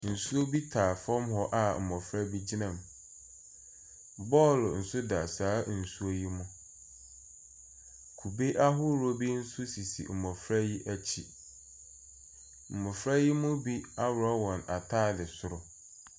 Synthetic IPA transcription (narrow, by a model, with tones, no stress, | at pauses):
n̩˨su˦o˦bi˦tʰaː˨fɔ̃˦mɦɔ˦ʔa˦m̩˨mɔ̃˨fɾa˦bi˦d͡ʑɪ˦nã˨m | bɔ˦ln̩˨sʊ˦da˨saː˨˦n̩˨su˦o˦ji˦mʊ̃˦ | kʰu˨be˦ʔa˦ɦʊ˦ɾo˦bi˦n̩˦sʊ˦si˨sḭ˨m̩˨mɔ̃˨fɾa˦ji˦ʔæ˦t͡ɕʰi˦ | m̩˨mɔ̃˨fɾa˦ji˦mʊ̃˦bi˦a˦wɾɔ˦wɔ̃˨na˨tʰaː˦˨dɪ˨sʊ˨ɾʊ˨